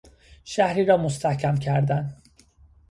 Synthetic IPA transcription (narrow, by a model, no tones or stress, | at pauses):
ʃæhɾiːɾɒːmost̪ʰæhcʰæmcʰæɾd̪æn